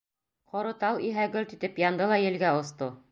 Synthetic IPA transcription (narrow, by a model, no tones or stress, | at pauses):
qŏɾŏt̪ɑlˠiɦæɡɵlʲt̪it̪ɘpjɑnd̪ɤlˠɑjɘ̆lɡæŏst̪o